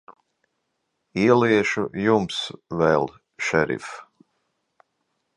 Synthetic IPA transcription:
iɛliɛʃujumsvɛlʲˠ | ʃɛɾḭf

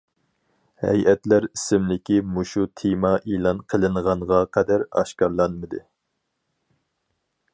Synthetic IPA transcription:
hɛ̰jɛt̪læɾisɪmlɪkʲimuʃut̪ʰemɑʔilˠɑnqʰəlˠɨnʁɑnʁɑqʰɛd̪æɾɑ̰ʃkɑɾlˠɑnmɨd̪ɨ

